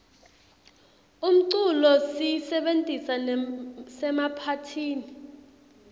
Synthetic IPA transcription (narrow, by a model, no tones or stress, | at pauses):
um̩ǀulɔsisɛɓentʼisansɛmapʰatʰiːni